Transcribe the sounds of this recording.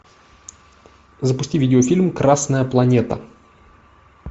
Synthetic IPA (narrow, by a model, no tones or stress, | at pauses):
zəpʊsʲtʲivʲidʲɪofʲilʲmkɾasnəjəplˠɐnʲet̪ə̰